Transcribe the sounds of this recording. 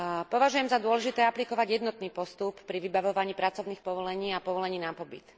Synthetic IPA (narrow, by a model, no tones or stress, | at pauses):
pɔʋaʒujɛmzad̪ʊɔlɛʒit̪ɛːaplikɔʋaɟjɛd̪nɔt̪niːpɔst̪upːɾiʋibaʋɔʋaɲiːpɾat͡sɔʊniːxpɔʋɔlɛɲiːapɔʋɔlɛɲiːnapɔbḭt̪